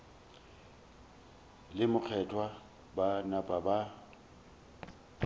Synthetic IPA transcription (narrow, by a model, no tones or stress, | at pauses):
lɪmʊk͡xʰɛtʰʼwa | banapʼaba